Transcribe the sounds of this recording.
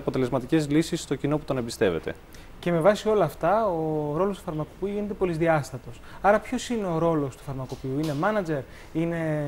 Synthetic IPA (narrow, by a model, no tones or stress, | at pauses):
ɐpot̪e̞le̞zmɐt̪ice̞zlisisːt̪o̞cino̞put̪onebist̪e̞ve̞t̪e̞̰ | ce̞me̞vɐsio̞lɐːft̪ɐoɾo̞lo̞st̪u̥fɐɾmɐko̞piuʝine̞t̪e̞po̞lizðiɐst̪ɐt̪o̞sɐɾɐpço̞sine̞o̞ɾo̞lo̞st̪ufɐɾmɐko̞piuine̞mɐnɐd͡ʑe̞ɾ | ine̞